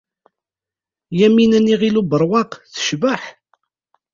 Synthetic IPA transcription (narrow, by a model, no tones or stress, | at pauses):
jæminæniʁilubəɾˤwɑqθə̥ʃbaħ